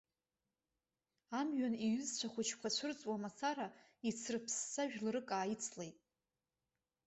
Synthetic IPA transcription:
amɥaniɥʏzt͡ɕʷʰaχʷʊt͡ʃʰkʷʰat͡ɕʷʰɨrt͡sʼwamat͡sʰaɾa | it͡sʰrɨpʰsːaʒᶣlɨrɨkʼaːjit͡sʰle̞jtʼ

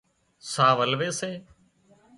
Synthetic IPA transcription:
saːʋəlʋeːseː

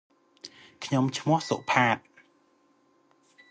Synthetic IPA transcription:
kʰɲomt͡ɕʰmʊ̆əhsoʔpʰaːt̪̚

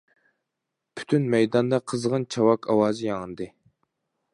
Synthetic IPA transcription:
pʰy̥t̪ʰynmɛjd̪ɑnd̪ɑqʰəzʁənt͡ʃʰɑwɑkʰɑwɑːzɨjɑŋənd̪ɨ

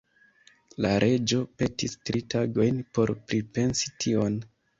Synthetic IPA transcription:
laɾʔe̞d͡ʒo̞pe̞tistɾitaɡo̞jnpo̞ɾpɾipe̞nsi̥tʰio̞n

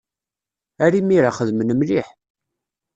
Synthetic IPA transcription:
æɾimiɾaχəðmənəmliħ

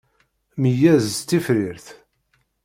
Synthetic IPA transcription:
məjæzt͡s̪ːifɾɪɾθ

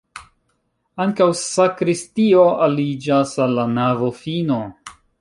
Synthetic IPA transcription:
aŋkawsakɾistioalid͡ʒasalːanavofino̞

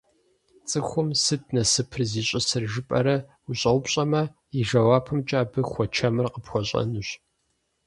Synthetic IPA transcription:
t͡sʼɨxʷʊmsɨtnɐsɨpʰrziːɕʼɪsɨrʒɨpʼɐɾɐ | uɕʼɐwʊpɕʼɐmɐ | iʒɐwaːpʰɨmt͡ʃʼaːbɨxʷɔt͡ʃʰɐmɨrqəpxʷɔɕʼɐ̰nɨɕ

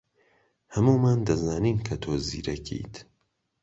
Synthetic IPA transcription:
hɐmuːmaːnd̪ɐzaːniːnkʰɐt̪ʰoːzḭːɾɐkʰḭt̪

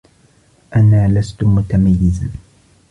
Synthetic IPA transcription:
ʔanaːlast̪ʊmʊt̪amajːɪza

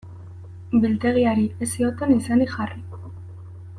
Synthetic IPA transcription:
bilt̪e̞ɣ̞iaɾie̞sio̞t̪e̞nisaniʝari

